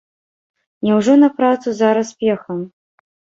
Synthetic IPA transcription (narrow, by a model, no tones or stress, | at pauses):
nʲɛwʐɔnɐpɾat̪suzaɾɐspʲɛxɐm